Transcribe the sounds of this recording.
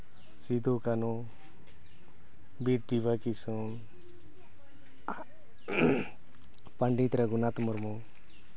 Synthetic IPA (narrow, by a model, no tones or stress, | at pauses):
sid̪okano | biɾdiʋakisõ | paɳɖit̪ɾaɡunat̪məɾmu